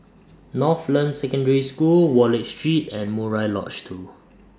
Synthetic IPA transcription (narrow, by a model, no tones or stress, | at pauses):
nɔflə̃nsɛkə̃ndəɹiskulwɔlɛt͡ʃstɹitɛ̃nmɔɹaɪlɔ̰t͡ʃtʰu